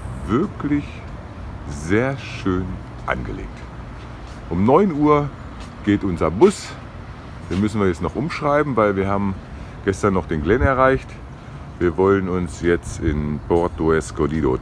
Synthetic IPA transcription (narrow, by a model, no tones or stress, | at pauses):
vɪɐklɪç | zeːɐʃøːn | ʔa̰nɡəlḛːk̚t | ʔʊmnɔʏnuːɐ | ɡ̥eːtʔʊnzɐbʊs | d̥eːnmʏsn̩viɐjɛt͡stnɔχʔʊmʃʁ̥aɪbm̩vaɪlviːɐhaːbm̩ | ɡ̥ɛstɐnːɔχd̥eːnɡlɛnɛɐʁaɪçt | viːɐvɔlənʊnsjɛt͡stɪnpʰɔɐtoɛskʰɔdiːdo̰ː